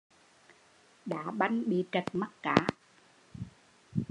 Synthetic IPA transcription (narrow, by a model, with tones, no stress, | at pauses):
ɗa̰ː˧˥ɓa˧jŋɓḭ˨t͡ɕə˨˩t̚ma˦˥t̚kaː˧˦